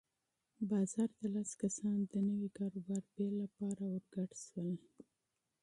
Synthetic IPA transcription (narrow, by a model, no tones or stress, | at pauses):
bɑzɑɾd̪alaskasɑnd̪ənəwikɑɾobɑɾbelapɑɾawəɾɡaʈʃwəl